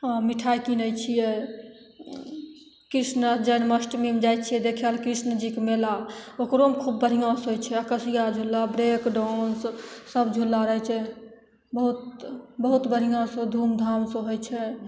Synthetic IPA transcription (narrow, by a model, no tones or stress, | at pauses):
ãmiʈʰajkinəjt͡ʃʰijɛ | kɾisnəd͡ʒənməsʈmemd͡ʒajt͡ʃʰijɛd̪ekʰjalkɾisnəd͡ʒikemelaokɾomkʰub̚ːəɾɦijãsɦojt͡ʃʰɛəkəsijad͡ʒʱulːabɾekɖɔnssəbd͡ʒʱulːaɾəɦɛt͡ʃʰɛ | bəɦut̪bəɦut̪bəɾɦijãsə̃d̪ʱumd̪ʱamsə̃ɦojt͡ʃʰɛ